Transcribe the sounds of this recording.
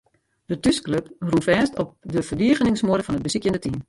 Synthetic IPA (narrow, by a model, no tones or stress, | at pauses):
d̥ətyskløprunfɛːstɔp̚dəvərdiəɣənɪŋsmodəfɔnət̚bəsikjəndətim